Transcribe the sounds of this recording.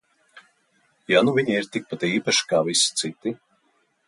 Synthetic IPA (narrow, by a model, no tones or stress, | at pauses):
januviɲiiɾt̪ik̚pat̪iːpaʃi̥kaːvisi̥t̪sit̪i